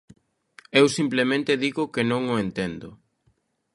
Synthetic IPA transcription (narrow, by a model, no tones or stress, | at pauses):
ewsimplemẽnt̪ɪðiɣʊkenõŋoent̪ɛnd̪ʊ̰